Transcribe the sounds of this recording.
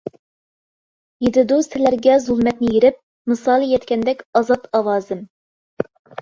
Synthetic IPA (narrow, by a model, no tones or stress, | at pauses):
jed̪ɪd̪usɪlæɾɡʲɛzulˠmɛt̪nɪjeɾɪp̚ | mɨsɑlˠijɛt̪kʲɛnd̪ɛkʲɑzɑt̪ɑwɑːzɨm